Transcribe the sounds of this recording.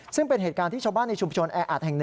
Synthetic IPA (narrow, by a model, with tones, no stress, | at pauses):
sɯ˥˩ŋpe˧nɦeː˨˩kaː˧nt̪ʰiː˥˩t͡ɕʰaː˧baː˥˩nːa˧jt͡ɕʰu˧mt͡ɕʰo˧nʔɛː˧ʔa˨˩t̪̚hɛ˨˩ŋn˨˩